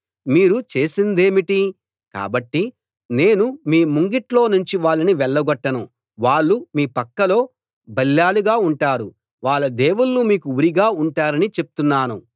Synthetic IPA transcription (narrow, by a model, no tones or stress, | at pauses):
miːɾut͡ʃe̞ːsind̪e̞ːmiʈi | ka̰ːbɐʈːi | ne̞ːnumiːmuŋɡiʈlo̞ːnuɲt͡ʃiʋaːɭːɐniʋɛɭːɐɡɔʈːɐnu | ʋaːɭːumiːpɐkːɐlo̞ː | bɐlːaːluɡaːuɳʈaːɾu | ʋaːɭːɐd̪eːwulːumiːkuuɾiɡaːuɳʈaːɾɐnit͡ʃe̞pu̥t̪unːaːnu